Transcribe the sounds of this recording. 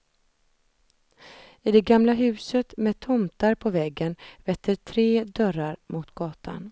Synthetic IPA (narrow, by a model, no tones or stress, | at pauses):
ɪd̪ɛɡamlaɦʉ̟ːsət̪mɛt̪ʰɔmt̪aɾpʰɔvɛɡːənvɛt̪ʰːəʈʰɾeːd̪œɾaɾmʊt̪ɡ̥ɑːt̪ʰa̰n